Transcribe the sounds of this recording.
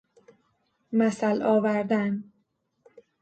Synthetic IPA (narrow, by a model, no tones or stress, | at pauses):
mæsælɒːvæɾd̪æn